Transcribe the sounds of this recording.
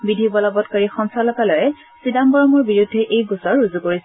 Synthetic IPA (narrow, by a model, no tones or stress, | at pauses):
bidʱibɔlɔbɔtkaɹixɔnsalɔkalɔjɛ | sidambɔɹɔmɔɹbiɹudʱːɛʔejɡusɔɹːuzukoɹisɛ